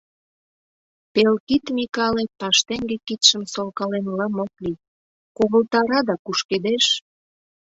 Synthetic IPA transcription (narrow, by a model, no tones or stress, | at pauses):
pelkit̪mikɑlepɑʃt̪eŋɡekit̪ʃəmsolkɑlenlɑmokli | koɣəlt̪ɑɾɑd̪ɑkuʃked̪eʃ